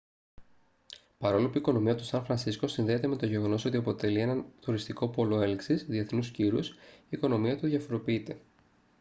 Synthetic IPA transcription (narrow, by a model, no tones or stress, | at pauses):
pɐɾo̞lopuiko̞no̞miɐt̪u̥sɐnfɾɐnsisko̞sinðe̞et̪e̞me̞t̪o̞ʝe̞ɣo̞no̞so̞t̪iɐpo̞t̪e̞lie̞nɐnt̪uɾist̪iko̞po̞lo̞e̞liksisðie̞θnusciɾusiːko̞no̞miɐt̪uðʝɐfo̞ɾo̞piit̪e̞